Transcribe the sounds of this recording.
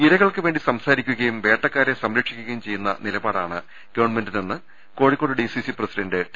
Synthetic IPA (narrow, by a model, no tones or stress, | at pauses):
iɾɐɣɐɭkɨʋe̞ːɳɖisɐmsaːɾikʲːuɣɐjumʋeːʈːɐkːaːɾesɐmɾɐkʂi̥kʲːuɣɐjumt͡ɕe̞jːunːɐ̰nilɐbaːɽa̰ːɳɨ | ɡ̥ɐʋɐɳmenɖinenːɨ | ko̞ːɻikʲːo̞ːɽɨɖisisiprɐsiɖɐɳɖɨʈ